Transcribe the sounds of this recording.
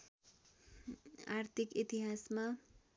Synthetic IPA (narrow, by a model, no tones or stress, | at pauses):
art̪ʰikit̪iɦasma